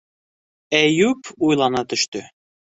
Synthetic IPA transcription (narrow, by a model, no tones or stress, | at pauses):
æjʉpujlˠɑnɑt̪ɵ̆ʃt̪ɵ